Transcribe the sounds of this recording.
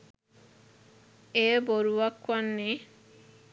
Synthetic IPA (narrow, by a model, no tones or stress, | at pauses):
eboɾuwakwanːe